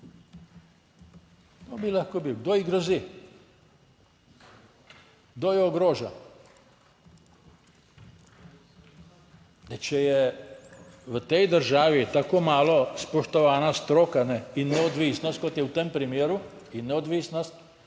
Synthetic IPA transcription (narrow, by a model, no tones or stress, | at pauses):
ɡ̥d̪obilaxkobiwɡd̪oːiɡɾɔzi | ɡ̚d̪oːjɛɔɡɾoːʒa | d̪ɛt͡ʃɛjɛ | ʋət̪ɛjd̪əɾʒaːʋit̪akoːmaːlɔspɔʃt̪ɔʋaːnast̪ɾoːkanɛinːɛɔd̪ʋisnɔst̪kɔt̪jɛwt̪empɾimeːɾu | inːɛɔd̪ʋisnɔst̪